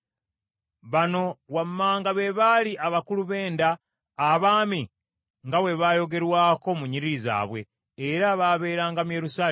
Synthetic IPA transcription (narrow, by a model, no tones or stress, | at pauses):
βano̞wamːaːŋɡaβe̞βaːliʔaβakuluβe̞ːndaː | βaːmi | ŋɡawe̞βaːjo̞ɡe̞ɾwaːko̞muɲiɾiza̰ːβwe̞ː | ɾaβaːβe̞ːɾaːŋɡamuje̞ɾusaːl